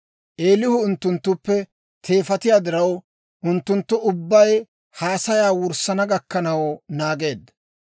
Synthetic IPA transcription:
ʔe̞ːlɪhʊʊnt̪ːʊnt̪ːʊpːɛ | t̪ʰe̞ːfɐt̪ɪjaːd̪ɪɾɐw | ʔʊnt̪ːʊnt̪ːʊʊbːɐj | haːsɐjaːwʊɾsɐnɐɡɐkːɐnɐwnaːɡe̞ːd̪ɐ

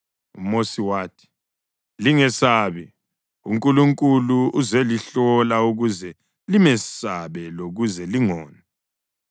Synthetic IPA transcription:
umosiwaːtʰi̥ | liŋɛsaːβɛ | ṵŋkʼuluŋkʼuluuzɛliɬɔlauɣuzɛ | limɛsaβɛloɣuzɛliŋɔːna

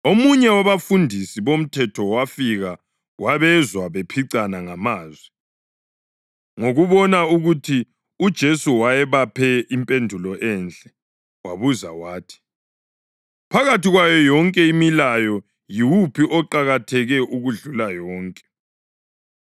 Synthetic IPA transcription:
omuɲɛwaβafundʱisiβom̩tʰɛtʰɔwafiɣa | waβɛzwaβepʰiǀanaŋamaːzwi | ŋoɣuβɔnauɣutʰi | ud̥ʒ̥ʱesuwajɛβapʰɛimpʼendʱulɔʔɛnt͡ɬʼɛ | waβuzawaːtʰi̥ | pʰaɣatiɣwajɔjɔŋkʼɛimilajɔ | jiwupʰiʔɔǃaɣatʰɛɣɛʔuɣuɮulajɔːŋkʼɛ̥

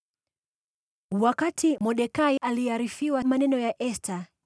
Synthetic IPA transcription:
wakatʰimɔɗɛkaiʔaliaɾifiwamanɛnɔjaʔɛstʰa

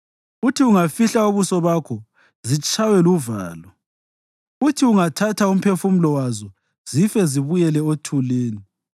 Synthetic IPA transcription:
utʰiuŋafiɬaoβusɔβakʰɔ | zit͡ʃʰʼawɛluva̰ːlɔ | utʰiuŋatʰatʰaum̩pʰefum̩lɔwazɔ | z̥ifɛziβujɛlɛotʰuleːni

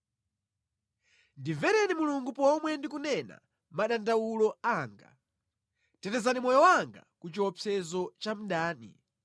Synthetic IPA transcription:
ndivɛɾɛnimuluŋɡupɔmwɛndikunɛna̰ | maɗandawulɔaːŋɡa̰ | tɛtɛzanimɔjɔwaŋɡa̰kut͡ʃiwɔpʰɛzɔt͡ʃam̩ɗaːnḭ

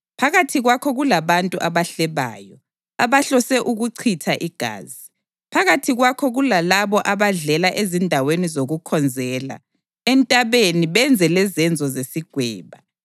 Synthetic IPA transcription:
pʰaɣatʰiɣwakʰɔɣulaβantʼuʔaβaɬɛβa̰ːjɔ | aβaɬɔsɛʔuɣuǀʰitʰaʔiɡ̥ʱa̰ːzi | pʰaɣatʰiɣwakʰɔɣulalaβɔʔaβaɮɛlaʔezindʱawenizoɣukʰɔnd͡zʱɛːla̰ | ɛntʼaβeniβɛnd͡zʱɛlɛzɛnd͡zʱɔzesiɡ̥ʱwɛːβa

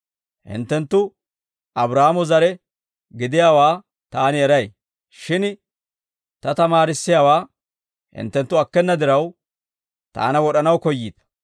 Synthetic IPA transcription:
hɪ̰nt̪ːɛnt̪ːʊ | ɐbɾaːmɔzɐɾɛ | ɡɪd̪ɪjaːwaː | t̪aːnɪɛɾɐj | ʃɪn | t̪ɐt̪ɐmaːɾɪsːɪjaːwaː | hɪ̰nt̪ːɛnt̪ːʊɐkːɛnːɐd̪ɪɾɐw | t̪a̰ːnɐwɔɗɐnɐwkɔjːiːd̪̥ɐ̥

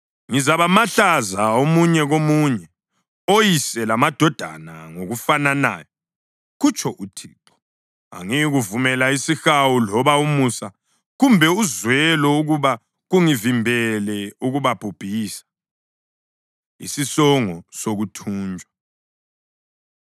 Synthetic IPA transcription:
ŋizaβamaɬazaomuɲɛɣomuɲɛ | ojisɛlamad̥ʱɔd̥ʱa̰na̰ŋoɣufanana̰ːjɔ | ɣut͡ʃʰɔʔutʰiːǁɔ̥ | a̰ŋiɣuvumɛlaisixawulɔβaumusa | ɣumbʱɛuzwɛlɔuɣuβa | ɣuŋivimbʱɛlɛuɣuβab̥ʱub̥ʱiːsḁ | ḭsisɔŋɔsoɣutʰuːnd͡ʒʱwa

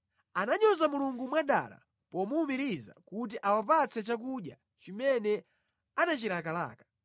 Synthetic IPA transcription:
anaɲɔzamuluŋɡumwaɗa̰la̰ | pɔmuːmiɾiza̰kut̬iʔawapat͡sʰɛt͡ʃak̬uɗja | t͡ʃimɛnɛ | anat͡ʃiɾakala̰ːkḁ

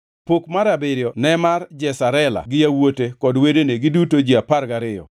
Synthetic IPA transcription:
pokmaɾabɪɾjɔnɛmard͡ʒɛsaɾɛla̰ɡɪjawotekɔdwedeneɡɪdutod͡ʒiapaɾɡaɾɪjɔ̰

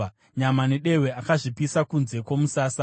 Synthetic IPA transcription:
ɲamaneɗe̞we̞akaʐipisakunze̞kwo̞musaːsa

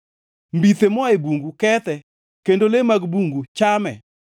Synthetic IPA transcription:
mbit̪emɔaebuŋɡukɛt̪ɛ | kendolemaɡbuŋɡut͡ʃamɛ̰

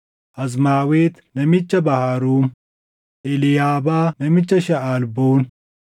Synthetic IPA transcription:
ʔɐzmaːweːt̪nɐmɪt͡ʃːɐbɐhaːɾuːm | ʔɛlɪjaːbaːnɐmɪt͡ʃːɐʃɐʔaːlboːn

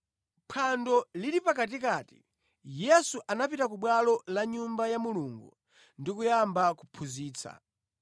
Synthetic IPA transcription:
pʰandɔliɾipakat̬ikati̥̰ | jɛsuʔanapitak̬uɓwalɔlaɲumbajamuluŋɡṵ | ndikujambakupʰuziːt͡sʰa̰

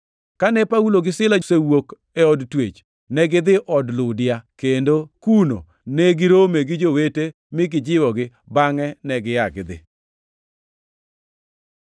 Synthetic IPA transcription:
kanɛpauloɡɪsɪlasewok | ɛɔdtwet͡ʃ | nɛɡɪd̪ɪʔɔdlʊdɪjakendokuno̰ | nɛɡɪɾomeɡɪd͡ʒowete | mɪɡɪd͡ʒɪwɔɡɪ | baŋɛnɛɡɪjaɡɪd̪ɪ̰

